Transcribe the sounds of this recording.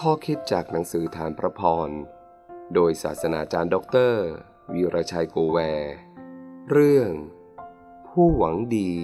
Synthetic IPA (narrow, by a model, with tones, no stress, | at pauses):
kʰɔː˥˩kʰi˦˥t̪̚t͡ɕaː˨˩k̚na˩˦ŋsɯː˩˦t̪ʰaː˧npʰɾa˧˥pʰɔː˧n | doː˧jsa̰ː˨˩t̪̚sa˧na̰ː˩˦t͡ɕaː˧ndɔ˦˥k̚t̪ɤː˥˩ | wiː˧ɾʔa˧t͡ɕʰa˧jkoː˧wɛː˧ | ɾɯ˥˩əŋ | pʰuː˥˩wa˩˦ŋdiː˧